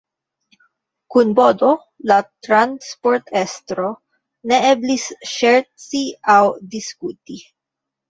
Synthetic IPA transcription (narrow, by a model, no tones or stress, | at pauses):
kunbo̞do̞ | lat̪ɾanspo̞ɾt̪ʰest̪ɾo̞ | ne̞eblisʃeɾt͡siawdiskuti